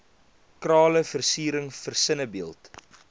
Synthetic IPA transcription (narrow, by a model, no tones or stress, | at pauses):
krɑːləfərsiːɾəŋfərsənəbiəlˠt